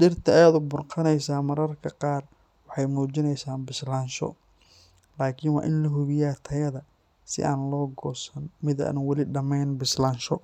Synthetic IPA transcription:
ɖɪrt̪ʰɐːjaːðʊbʊrqʰɑnɛjsaːmɐɾɐrkʰɐqɑːr | wɑħɑjmuːt͡ʃɪnɛjsaːnbɪslaːnʃɔ̰ | laːkʰɪnwɑ̰ːʔɪnlɐɦʊβɪjaːt̪ʰɐjɐðɐ | sɪ̰ʔa̰ːnlɔːɡɔːsɐnmɪðɐ̰nwɐlɪɖɐmɛjnbɪslaːnʃɔ

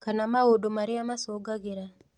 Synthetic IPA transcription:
kanamaodomaɾɪamasoɡaɡɪɾa

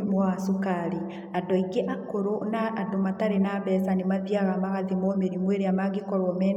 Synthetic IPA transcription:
mwasokaɾi | adɔiɡeʔakoɾonaːdomataɾenaːβɛsanemaðiaɣamaɣaðimomeɾimweɾeamaɡekɔɾwɔmɛn

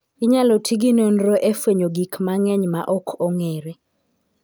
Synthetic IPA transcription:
ɪɲalɔtʰiɡinonɾoʔefweɲoɡikmaŋɛɲmaʔɔkʰɔŋeɾe

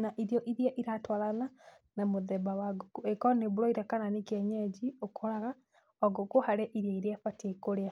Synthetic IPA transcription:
naʔiɾjɔʔiɾijaʔiɾatwalana | namoðɛbawaɡokuɛkɔneβoɾɔiɾakananekiɛɲɛd͡ʒiokoɾaɣa | ɔɡokohaɾɛʔiɾjaiɾeafatiekoɾea

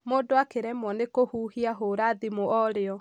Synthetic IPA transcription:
modoakeɾɛmɔnekohuhiaɦoɾaðimoɔɾeɔ

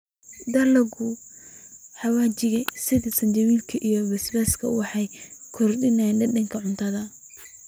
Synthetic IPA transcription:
d̪ɐlɐɣʊ | ħɑwaːt͡ʃɪɣɐsɪðɪsɐnt͡ʃɐβiːlkʰɐʔijɔβɛsbaskʰɐ̰wɑħɑjkʰɔrdɪnanɖɐdɐŋkʰɐʕʊnt̪ʰɐðɐ

